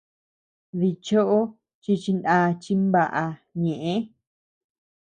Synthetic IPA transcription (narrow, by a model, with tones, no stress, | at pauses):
ði˧t͡ʃo˦ʔo˦ | t͡ʃi˧t͡ʃi˧nda˧t͡ʃi˧mba˧ʔa˧ɲẽ˨ʔẽ˦